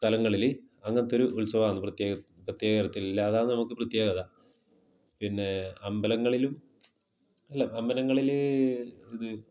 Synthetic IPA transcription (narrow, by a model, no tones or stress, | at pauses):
st̪ɐlɐŋːɐɭil | ɐŋːɐnet̪ːo̞ɾuʔulsɐʋaːnːɨprɐt̪jeː | prɐt̪jeːɣɐɾɐt̪ːililːɐːðaːnːɨnɐmukːɨprɐt̪jeːɣɐða | pinːe̞ɐmbɐlɐŋːɐɭilum | ɐlːɐɐmbɐlɐŋːɐɭil | iðɨ